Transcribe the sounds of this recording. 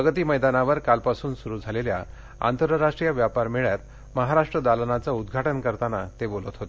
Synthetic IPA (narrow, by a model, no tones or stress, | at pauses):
əɡət̪iːməjd̪anaʋəɾkalpasuːnsuɾuːd͡zʱalelja | a̰nt̪əɾəɾaʂʈɾijaʋjapaɾmeɭjat̪̚ | məɦaɾaʂʈɾəd̪alənat͡saud̪ɡʱaʈənkəɾt̪anat̪ebolət̪ɦot̪e